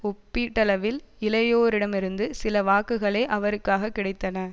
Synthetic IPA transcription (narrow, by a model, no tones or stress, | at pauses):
ɔpːiːʈːɐlɐʋɪl | ɪlɐjoːɾɪɽɐmɪɾɯnd̪ɯsɪlɐʋaːkːɯɣɐɭeːʔɐʋɐɾɯkːaːɣɐkːɪɽɐɪt̪ːɐnɐ